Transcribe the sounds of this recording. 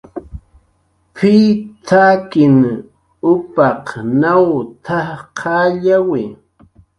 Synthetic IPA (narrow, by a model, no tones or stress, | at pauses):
pʰit̪ʰakɪn | ʊpɑqnawt̪ʰaqʰɑːʎawɪ